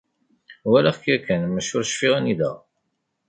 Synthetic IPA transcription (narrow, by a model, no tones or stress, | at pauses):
wælæχkækːænmæʃʊɾʃfiʁæniðæ̰